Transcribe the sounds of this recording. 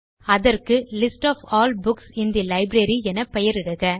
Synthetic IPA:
ɐðɐrkɯlɪsʈaːfaːlbʊksɪnd̪ilɐɪbɾɐɾiɛnɐpɛjɐɾɪɽɯɣɐ

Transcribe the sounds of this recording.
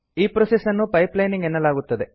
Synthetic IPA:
iːpɾosesɐnːupɐjplɐjniŋɡɛnːɐlaːɡut̪ːɐd̪e̞

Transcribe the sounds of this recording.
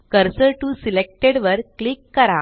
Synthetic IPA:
kəɾsəʈusilek̚ʈeɽʋəɾklikːəɾa

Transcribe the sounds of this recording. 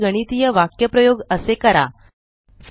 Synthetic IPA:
ɡəɽ̃it̪ijəʋakjəpɾəjoɡəsekəɾa̰ | s

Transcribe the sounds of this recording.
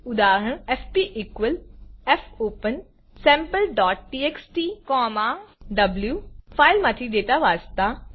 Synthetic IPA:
ʊd̪aːɾəɳ̃ɛfʰpiʔikʋəlɛfʰoːpən | sɛ̃ːmpəlɖɔːʈ̚ːiːeksʈiːkɔːmaːɖɐbljuːpʰaːɪlmaːt̪ʰid̪eːt̪aʋaːst̪aː

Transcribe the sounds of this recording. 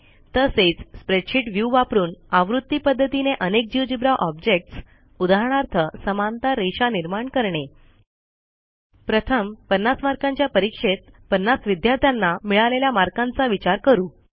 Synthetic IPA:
t̪əset͡sspɾeʈʂiʈʋjuʋapɾuːnaʋɾut̪ːipəd̪ʱːət̪ineʔənek̚d͡ʑiʋd͡ʑibɾaʔɔbd͡ʑek̚ʈs | ud̪aɦɳ̃aɾt̪ʰəsəmant̪aɾeɕaniɾmaɳkəɾɳe | pɾət̪ʰəmpənːasmaɾkãɲt͡ɕjapəɾikʂet̪̚ | pənːasʋid̪jaɾt̪ʰjanːamiɭaleljamaɾkãnt͡saʋit͡ɕaɾkəɾuː

